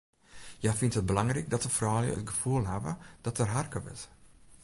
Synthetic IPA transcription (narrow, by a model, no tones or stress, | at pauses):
jafintət̚bəlɑŋrɛjk̚dɔtəfrɔwjə̰ə̰tɡəfuəlˠɦavə̰d̥ɔtərɦarkəʋɪ̰t